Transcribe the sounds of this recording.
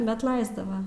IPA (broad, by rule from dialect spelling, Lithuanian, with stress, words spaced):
bʲɛt ˈlˠɐɪzdɐʋɐ